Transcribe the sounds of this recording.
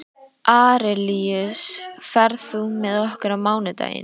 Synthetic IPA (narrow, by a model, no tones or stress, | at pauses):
ʔaːɾɛliʏsfɛɾðθumɛðɔhkʏɾamaːwnʏt̪a̰ːjɪ̰n